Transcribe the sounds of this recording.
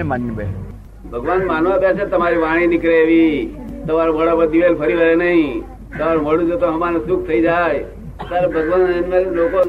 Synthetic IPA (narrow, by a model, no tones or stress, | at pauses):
manːbe | bʱəɡʋanmaːnʋãbjat͡ʃʰet̪əmaɾiʋaɽ̃ĩnɪkɭeːʋit̪əmaɾobəɽabəd̪iʋelpʰəɾiɾəɦenəɦĩ | t̪əmaɾoməɽũd͡ʒot̪õɦəmanesuk̚ʰt̪ʰəid͡ʒaj | t̪aɾebʱəɡʋanenʋeloko